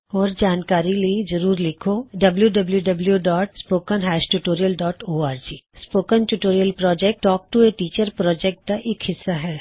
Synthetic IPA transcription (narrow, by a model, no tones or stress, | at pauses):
ɔːɾd͡ʒaːnkaːɾiliezɐɾuːɾlɪkʰoɖɐbljuɖɐbljuɖɐbljuɖɔːʈspoːkənɦɛːʃʈuːʈoːɾijəlɖɔːʈoːaːɾd͡ʒiːspoːkənʈuːʈoːɾijəlpɾɔːd͡ʒɛk̚ʈʈːɔːk̚ʈueʈiːt͡ʃəɾpɾɔːd͡ʒɛk̚ʈ̚d̪aʔeːkhɪsːaɦɛː